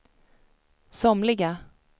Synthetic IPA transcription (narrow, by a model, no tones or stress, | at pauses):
sɔmlɪɡa